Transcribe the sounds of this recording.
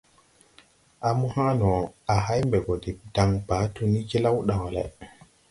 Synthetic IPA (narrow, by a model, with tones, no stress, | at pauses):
a˨mu˦ha˦nɔ˨a˨ɦa˦jmbɛ˨ɡɔ˨di˨d̥a˨ŋba˨˦tu˦ni˦ki˦la˦wɗa˨ɔ˨lɛ̰˨